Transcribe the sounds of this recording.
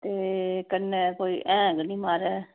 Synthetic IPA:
t̪eːkənekoːiːʔɛ̃ːɡnĩːmaːɾɛː

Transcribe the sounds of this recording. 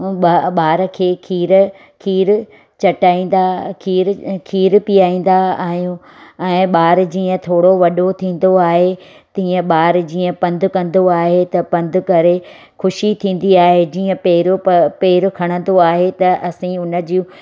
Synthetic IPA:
ɓaɓaːɾəkʰeːkʰiːɾ | kʰiːɾ | t͡ɕɐʈaːĩːn̆d̪akʰiːɾkʰiːɾpijaːĩːn̆d̪aaːɦijũ | ɛ̃ːɓaːɾd͡ʑiːə̃t̪ʰoːɽoʋɐɗot̪ʰĩːn̆d̪oaːɦe | t̪ĩːə̃ɓaːɾd͡ʑiːə̃pɐ̃nd̪ʱʊkɐ̃nd̪oaːɦet̪ɐpɐ̃nd̪ʱʊ̆kɐɾe | xʊʃit̪ʰĩːn̆d̪iaːɦed͡ʑiːə̃peːɾopeːɾʊkʰɐɽ̃ə̃nd̪oaːɦet̪ɐʔɐsĩʊnə̆d͡ʑi

